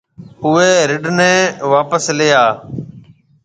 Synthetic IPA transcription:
ʊʋeːɾɪɖnɛ̃ːʋaːpəslɪjaː

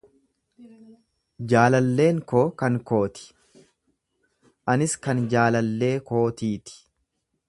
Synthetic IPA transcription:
d͡ʒaːlɐlːe̞ːŋkoːkɐŋko̞ːt̪ɪ̥ | ʔɐnɪskɐnd͡ʒaːlɐlːe̞ːko̞ːt̪iːt̪ɪ̥

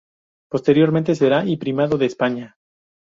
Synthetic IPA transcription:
po̞st̪e̞ɾjo̞ɾment̪es̬e̞ɾaipɾimaðo̞ðeːspaɲa

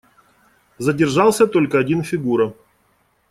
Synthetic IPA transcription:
zədʲɪrʐɑlˠsʲət̪o̞lʲkəɐdʲinfʲɪɡuɾə

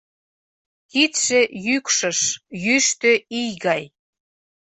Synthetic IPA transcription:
kit̪ʃejykʃəʃjyʃt̪ø̆ijɣɑj

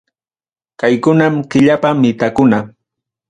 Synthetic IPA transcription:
kajkʊnamkɪʎapamɪt̪akʊna

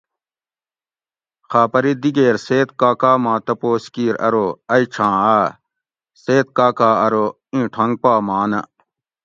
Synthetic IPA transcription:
xaːpɐɾid̪iɡeːɾseːt̪̚kaːkaːmãːt̪ɐpoːskiːɾɐ̰ɾoɐit͡ʃʰãːaː | seːt̪̚kaːkaːɐɾo | ĩʈʰɐŋɡ̚paːmaːnɐ

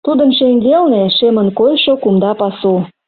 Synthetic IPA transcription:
t̪ud̪ənʃeŋɡelneʃemənkojʃokumd̪ɑpɑsu

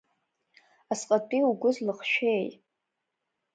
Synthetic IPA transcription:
asqʼatʼiuɡʷʊzlɨχʃᶣejtʼ

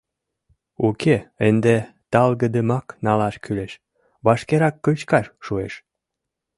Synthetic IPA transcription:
ukʰeend̪e | t̪ɑlɣəd̪əmɑknɑlɑʃkyleʃ | βɑʃkeɾɑkːət͡ɕkɑʃːuḛʃ

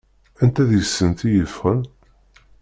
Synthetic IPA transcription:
ænt̪æðjəsːənt̪ijəfʁən

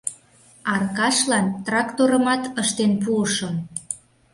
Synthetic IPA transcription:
ɑrkɑʃlɑnt̪rɑkt̪oɾəmɑt̪əʃt̪enpuəʃo

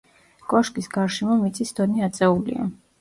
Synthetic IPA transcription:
kʼɔʃkʼisɡaɾʃɛmɔmit̪sʼisd̪̥ɔniat̪sʼɛulḭa̰

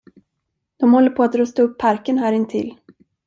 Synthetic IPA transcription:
d̪̥ɔmhɔlːəɾpʰoat̪ɾɵst̪aɵpʰːaɾkənɦæːɾɪnt̪ʰɪ̰lː

